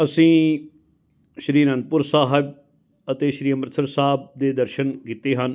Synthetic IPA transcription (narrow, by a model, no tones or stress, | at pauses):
əsĩː | ʃɾiːɾənd̪̚pʊɾsaːɦɪb | ət̪eːʃɾiːəmɾət̪ʰəɾsaːb̚d̪eːd̪əɾʃənkiːt̪eːɦən